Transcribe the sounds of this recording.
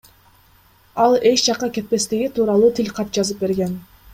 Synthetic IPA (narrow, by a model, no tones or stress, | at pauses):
ɑlˠe̞t͡ʃd͡ʒɑqːɑke̞t̪̚pe̞st̪iɡit̪ʰuːɾɑlˠuːt̪ʰɪlʲqʰɑt̪̚d͡ʒɑzɯp̚be̞ɾɡe̞n